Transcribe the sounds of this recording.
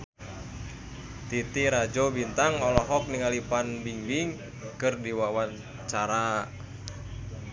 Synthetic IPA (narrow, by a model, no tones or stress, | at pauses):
t̪it̪iɾad͡ʒobint̪aŋɔlɔɦɔk̚niŋalipanbiŋbiŋ | kɨrdiwawan | t͡ʃaɾa